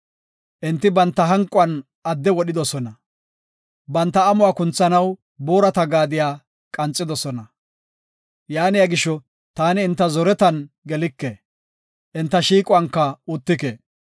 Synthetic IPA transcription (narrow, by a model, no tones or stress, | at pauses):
ʔɪnt̪ːɪbɐnt̪ːɐɦɐŋkʼʊɐn | ɐd̪ːɛwɔɗɪd̪ɔsɔnɐ | bɐnt̪ːɐːmʊwaːkʊnt͡sːɐnɐw | boːɾɐt̪ɐɡaːd̪ɪjaː | kʼɐnt͡sʼːɪd̪ɔsɔnɐ | jaːnɪjaɡɪʃːɔ | t̪aːnɪːnt̪ːɐzɔɾɛt̪ɐn | ɡɛlɪkːe | ʔɪnt̪ːɐʃiːkʼʊɐŋkːɐʊt̪ːɪkeː